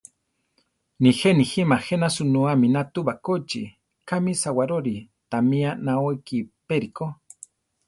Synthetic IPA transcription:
nixeniximahenasunuaminat̪uβakot͡ʃi | kamisawaɾoɾi | t̪amianaokipeɾiko

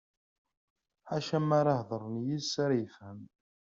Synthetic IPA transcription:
ʕaʃæmaɾɑhðˤəɾˤnjisaɾajəfhəm

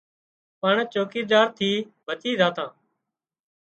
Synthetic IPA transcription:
pəɳt͡ʃoːkiːɗaːɾt̪ʰiːbʱət͡ʃiːzaːt̪ãː

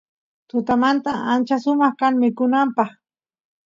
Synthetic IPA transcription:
t̪ʊt̪amant̪aant͡ʃaʃʊmɑχkaŋmɪkʊnampɑχ

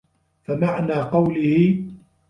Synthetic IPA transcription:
famaʕnaːqɑwlɪhɪ

